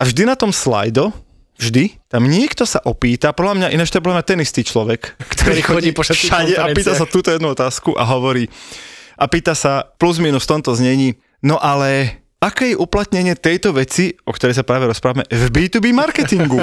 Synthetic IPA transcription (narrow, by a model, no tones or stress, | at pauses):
avʒd̪inat̪ɔmsla̰jd̪ɔ | vʒd̪it̪amɲɪɛkt̪ɔsaʔɔpiːt̪apɔd̪lamɲaʔinat͡ʃt̪ɔɛpɔlamɲat̪ɛnist̪iːt͡ʃlɔʋɛkkt̪ɔɾixɔiːɔʃaɟɛapiːt̪asat̪uːt̪ɔjɛd̪nuɔt̪aːskuʔa̰ɦɔʋɔɾiːʔapiːt̪asapluzmiːnusft̪ɔnt̪ɔzɲɛɲiː | nɔʔalɛ | akɛːjɛʔuplat̪ɲɛɲɪɛt̪ɛjt̪ɔʋɛt͡siɔkt̪ɔɾɛjs̬apɾaːʋɛɾɔspɾaːʋamɛvbiːt̪uːbimaɾkɛt̪iŋɡu